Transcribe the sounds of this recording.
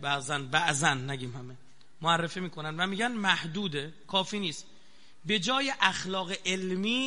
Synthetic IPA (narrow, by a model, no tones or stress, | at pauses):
bæʔzænbæʔzænːæɟiːmhæme̞ | moærːe̞fimiːkʰo̞nænd̪væmiːɟænmæhd̪uːd̪e̞kʰɒːfiːniːst̪ | be̞d͡ʒɒːjeʔæxlɒːɣeʔelmiː